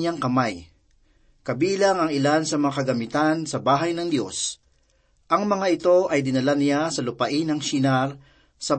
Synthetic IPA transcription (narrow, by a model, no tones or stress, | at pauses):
aŋkɐmaj | kɐbiːlɐŋɐŋɪlansɐmɐŋakɐɡɐmɪt̪ansɐbaːɦɐjnɐŋd̪jo̞̰s | ʔɐŋmɐŋaʔɪt̪o̞ʔɐjd̪ɪnɐlanɪjasɐlʊpɐʔɪnɐŋʃinaɾ | sɐ